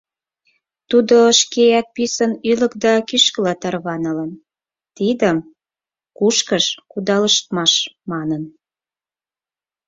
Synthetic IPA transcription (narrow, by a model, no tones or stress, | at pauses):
t̪ud̪oʃkeæt̪̚pisənylə̆kd̪ɑkyʃkəlɑt̪ɑrβɑnələn | t̪id̪əm | kuʃkəʃkud̪ɑləʃt̪mɑʃmɑnən